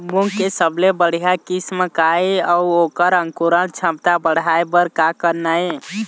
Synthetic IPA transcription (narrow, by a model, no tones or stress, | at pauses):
muŋkesəblebəɽ̤ijakisməkaeiəuokəɾə̃ŋkuɾənt͡ʃʰə̃mt̪abəɽ̤ajbəɾkakəɾnaj